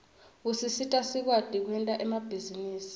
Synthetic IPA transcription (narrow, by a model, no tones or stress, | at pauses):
usisitʼasik̬wad̥ʱik̬wɛntʼaʔɛmab̥ʱiziniːsi̥